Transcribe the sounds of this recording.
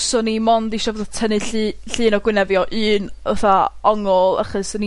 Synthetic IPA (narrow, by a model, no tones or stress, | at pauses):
sɔnimɔndiʃɔvəðtʰənɨɬɬɨːnɔɡwɪnɛvjɔʔɨːnə̰θaɔŋɔlˠa̰χəsɔni